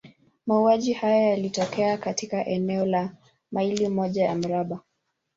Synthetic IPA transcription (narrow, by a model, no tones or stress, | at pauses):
mauaʄihajajalitɔkɛakatikaʔɛnɛɔla | mailimɔʄaja̰m̩ɾaɓa